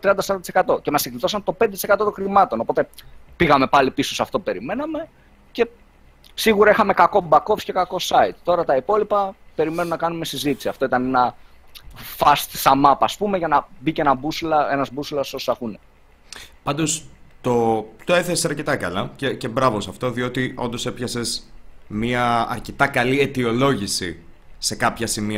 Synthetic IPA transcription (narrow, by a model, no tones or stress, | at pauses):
t̪ɾiɐnd̪ɐsɐisekɐt̪o̞cemɐsiklit̪o̞sɐnt̪o̞pnd̪et̪ise̞kɐt̪o̞t̪õ̞xɾimɐt̪o̞nopo̞t̪e̞piɣɐme̞pɐlipiso̞sɐft̪o̞upe̞ɾime̞nɐme̞ | ce̞ | siɣuɾɐixɐme̞kɐko̞bɐkofsce̞kɐko̞sɐit̪̚t̪o̞ɾɐt̪ɐipo̞lipɐpe̞ɾime̞nunɐkɐnume̞sizit̪i̥siɐft̪o̞it̪ɐnenɐ | fɐst̪sɐmɐpɐspume̞ʝɐnɐbicenɐbuslɐe̞nɐzbuslɐsoso̥ɐxune | pɐnd̪o̞st̪o̞t̪o̞e̞θessɐɾce̞t̪ɐkɐlɐcecebɾɐvo̞sɐft̪o̞ðio̞t̪io̞nd̪o̞se̞pçɐse̞smiɐɐ̰ɾce̞t̪ɐkɐliet̪io̞lo̞ʝisḭ | se̞kɐpçɐsimi